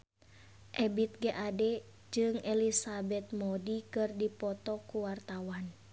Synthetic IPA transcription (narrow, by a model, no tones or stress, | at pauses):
ʔɛbit̪̚ɡɛʔadɛ | d͡ʒɨŋɛlisabɛt̪̚mɔdikɨrdipɔt̪ɔkuwart̪awan